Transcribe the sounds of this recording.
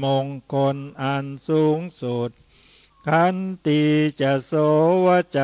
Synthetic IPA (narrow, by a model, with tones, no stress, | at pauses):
moː˧ŋkʰo˧nʔa˧nsuː˨˦ŋsu˨˩t̪̚ | kʰa˧˥˩nt̪iː˧t͡ɕa˧˩˨sɔː˨˦waː˧˩t͡ɕa˨